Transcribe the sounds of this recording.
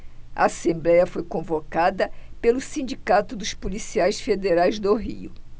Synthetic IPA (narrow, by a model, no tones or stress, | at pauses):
ɐ̰asẽmblɛjɐfojkõvokad̪ɐpelʊsĩnd͡ʒikat̪ʊd̪ʊspulisiajsfed̪eɾajzd̪oɦḭʊ̰